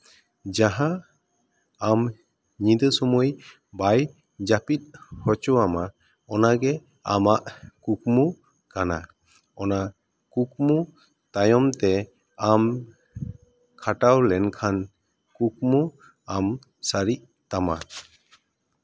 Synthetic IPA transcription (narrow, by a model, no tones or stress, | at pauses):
d͡ʒaɦã | am | ɲid̪əsɔmɔj | baj | d͡ʒapit̪̚hɔt͡ʃɔama | ɔnaɡɛ | amaʔkuk̚mu | kana | ɔna | kuk̚mu | t̪ajɔmt̪ɛ | am | kʰaʈawlɛnkʰan | kukmu | am | saɾiʔ | t̪ama